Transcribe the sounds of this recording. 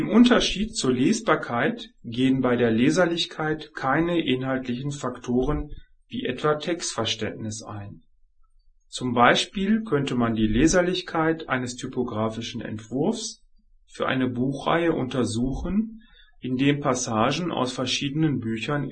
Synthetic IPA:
ʔɪmʔʊntɐʃiːt̚t͡suːɐleːsb̥aːɐkʰaɪtɡ̥eːənbaɪdeːɐleːzɐlɪçkʰaɪtkʰaɪnəʔɪnɦaltlɪçn̩faktʰoːʁən | vḭːʔɛtv̥atʰɛkstfɛɐʃtɛntnɪsa̰ɪn | t͡sʊmbaɪʃpiːlkʰœntəmandiːleːzɐlɪçkʰaɪtʔa̰ɪnəstʰypoɡʁaːfɪʃn̩ɛ̰ntv̥ʊɐfs | fyːɐʔa̰ɪnəbuːxʁ̥a̰ɪəʔʊ̰ntɐzuːxənʔɪndeːnpʰasaːʒn̩ʔa̰ʊsfɛɐʃiːdənənbyːçɐn

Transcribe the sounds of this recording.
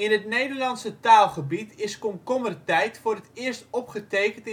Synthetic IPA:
ɪnɦətnejdəɹlɑnsətaːlˠχəbitɪskɔmkɔmərtɛjtfʊːrɦətɪːɹstɔpχətejkənt

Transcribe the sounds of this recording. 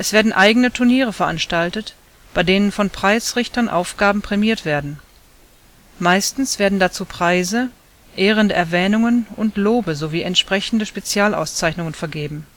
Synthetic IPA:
ʔɛsv̥eːɐdn̩ʔaɪɡənətʰʊɐniːʁəfɛɐʔanʃtaltət | b̥aɪdeːnənfɔnpʁ̥aɪsʁɪçtɐnʔa̰ʊfɡ̥aːbm̩pʁ̥ɛmiːɐtv̥eːɐdn̩ | maɪstn̩sv̥eːɐdn̩dat͡suːpʁ̥aɪzə | ʔeːʁ̞əndəʔɛɐvɛːnʊŋənʔʊntloːbəzoviːɛntʃpʁ̥ɛçn̩dəʃpet͡sjaːla̰ʊst͡saɪçnʊŋənfɛɐɡeːbm̩

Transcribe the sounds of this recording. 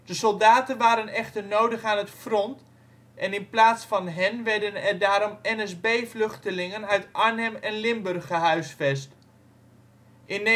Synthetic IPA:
d̥əsɔlˠdaːtənʋaːɾənɛχtəɹnowdəχaːnətfrɔnt | ʔɛnɪnplaːtsfɑnɦɛnʋɛɹdənɛrdaːɾɔmɛnɛsbejflɵχtəlɪŋənœɥtʔɑɹnɛmɛnlɪmbɵrχəɦœɥsfɛst | ʔɪn

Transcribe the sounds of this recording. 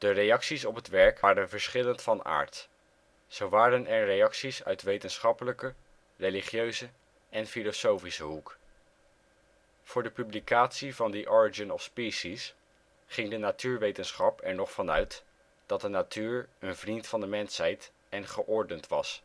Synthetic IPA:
d̥ərejɑksisɔpɦətʋɛɹkaːɾənvəɹsχɪləntfɑna̰ːɹt | z̥owʋaːɾənɛɹrejɑksisœ̰ɥtʋejtənsχɑpələkə | reliχjøɥzə | ʔɛnfilosowfisəɦuk | v̥ʊːɹdəpyblikaːtsivɑndiʔɔɹid͡ʒənɔfspisis | χɪŋdənatyːɹʋejtənsχɑpɛɹnɔχfɑnœɥt | d̥ɑt̚dənatʰyːɹənvrintfɑndəmɛnsɦɛjt | ɛnχəʔɔɹdəntʋɑs

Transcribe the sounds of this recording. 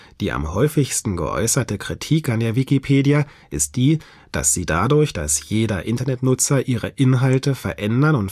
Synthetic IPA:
d̥iːʔa̰mhɔʏfɪçstn̩ɡə̰ʔɔ̰ʏsɐtəkʁ̥itʰiːkandeːɐvikipʰeːdia | ʔɪst̚d̥iː | d̥a̰sz̥iːdadʊɐçd̥asjeːdɐʔɪntɐnɛtnʊt͡sɐʔiːʁəʔɪnɦaltəfɛɐʔɛndɐnʊnt

